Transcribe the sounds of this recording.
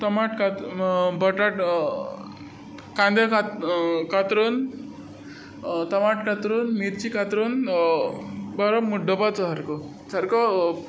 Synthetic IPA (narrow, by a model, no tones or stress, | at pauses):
t̪əmaʈkat̪bəʈaʈ | kãnd̪jakakat̪ɾuːn | t̪əmaʈkat̪ɾuːnmiɾt͡ɕikat̪ɾun | baɾəpmuɖəpat͡sɔɦaɾkɔ | t͡sʰaɾkɔ